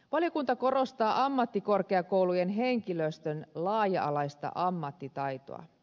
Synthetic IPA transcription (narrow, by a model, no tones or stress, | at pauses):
ʋɑljo̞kunt̪ɑko̞ro̞st̪ɑːʔɑmːɑt̪ːiko̞rkeɑkowlujenɦe̞ŋkiløst̪ønlɑːjɑ̰ʔɑlɑjst̪ɑ̰ʔɑmːɑt̪ːit̪ɑjt̪o̰ɑ̰